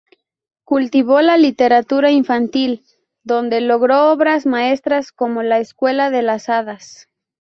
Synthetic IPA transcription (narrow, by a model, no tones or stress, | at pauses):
kult̪iβolalit̪e̞ɾat̪uɾaiɱfant̪il | d̪o̞nd̪e̞lo̞ɣɾo̞oβɾazmae̞st̪ɾasko̞mo̞laeskwe̞laðe̞lasaðas